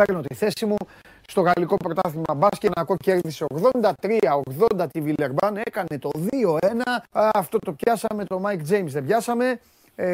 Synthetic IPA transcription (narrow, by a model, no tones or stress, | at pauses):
eno̞t̪iθe̞simu | st̪o̞ɣɐliko̞pɾo̞t̪ɐθimɐbɐscenɐko̞ce̞ɾðise̞o̞ɣðo̞nd̪ɐt̪ɾiɐoɣðo̞nd̪ɐt̪ivileɾbɐne̞kɐne̞t̪o̞ðio̞e̞nɐɐft̪o̞t̪o̞pçɐsɐme̞t̪o̞mɐjkd͡ze̞jmzðebʝɐsɐme̞